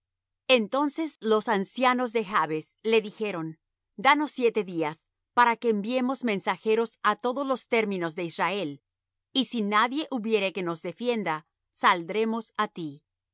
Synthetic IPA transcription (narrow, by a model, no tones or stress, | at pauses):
e̞nt̪o̞nse̞slo̞sansjano̞zðe̞xaβe̞sle̞ðixe̞ɾon | d̪ano̞sːje̞t̪e̞ðias | paɾakeːmbje̞mo̞zmẽ̞nsaxe̞ɾo̞sat̪o̞ðozlo̞st̪e̞ɾmĩno̞zðe̞israe̞l | isinaðje̞ʔuβje̞ɾe̞ke̞no̞zðe̞fje̞nd̪a | sald̪ɾe̞mo̞sat̪i